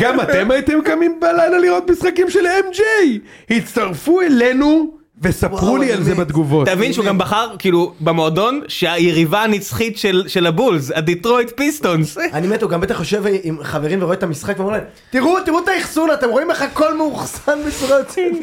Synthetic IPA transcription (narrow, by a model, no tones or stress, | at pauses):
ɡamat̪emajt̪imkamimbelajlaliʁo̞t̪misχakimʃelemd͡ʒej | hitt͡st̪aʁfuele̞nu | vesapʁulialzebad̪ɡuvo̞ttavinʃeuɡambaχaʁkiːlubemo̞ado̞nʃeajeʁivaːnit͡sχit̪ʃelʃelabulzad̪itʁo̞jt̪pist̪o̞nsanimet̪huɡambe̞t̪aχːoʃe̞vimχaveʁimveʁoet̪amisχakveomlaem | t̪iʁut̪iʁut̪aiχsunat̪e̞mʁo̞imleχako̞lmeuχsanbet͡suʁajot͡sit